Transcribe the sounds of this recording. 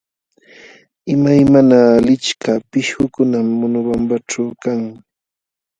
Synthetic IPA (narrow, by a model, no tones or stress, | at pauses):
ɪmajmanaːlɪt͡ʃkʰapɪʃhʊkʊnamːʊnʊwambat͡ʃawkaŋ